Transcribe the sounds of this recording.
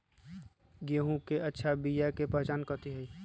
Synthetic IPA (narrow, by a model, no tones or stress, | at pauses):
ɡeːɦũkeʔɐtːʃʰabijakepəɦɛt͡ʃaːnkəɾt̪iɦɛiː